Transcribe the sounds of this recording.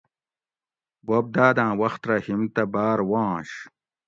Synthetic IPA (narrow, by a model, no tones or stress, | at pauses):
bob̚d̪aːd̪ãːwɐxt̪ɾɐhimt̪ɐbaːɾwãːɕ